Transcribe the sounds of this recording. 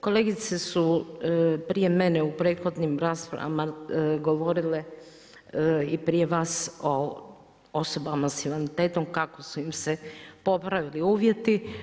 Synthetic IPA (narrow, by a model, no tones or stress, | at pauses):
ko̞le̞ɡit̪sesu | pɾije̞me̞neupɾe̞ːt̪xo̞d̪nimɾaːspɾa̰ʋa̰maɡo̞ʋo̞ɾile̞ | ipɾije̞ʋaːso | o̞so̞bamasiʋanit̪e̞ːt̪omkako̞suimsepo̞pɾaʋiliuːʋje̞t̪i